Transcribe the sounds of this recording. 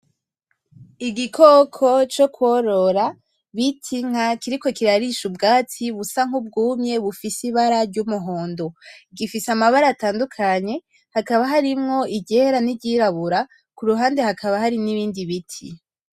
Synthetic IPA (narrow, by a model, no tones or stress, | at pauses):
iɡikʰokʰo̞t͡ʃo̞kwoɾo̞ɾa | βitʰiŋ̥akiɾiko̞kiɾaɾiʃubɡaːtʰiβusaŋ̥ub̚ɡuːmɲe̞βufisiβaɾaɾɟumuɦo̞ːndo̞iɡifisamaβaɾataːndukʰaɲe̞ | hakaβaɦaɾimŋo̞iɟeɾaniɟiɾaβuɾa | kuɾuɦaːnde̞hakʰaβaɦaɾiniβiːndiβitʰi